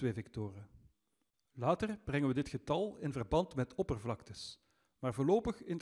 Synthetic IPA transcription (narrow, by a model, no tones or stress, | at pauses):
ʋeːvɛktoːrə | laːtərb̥rɛŋənʋədɪtxətɑlˠɪnvərbɑntmɛtʰɔpərvlɑktəs | maːrvʊːrloːpəxɪn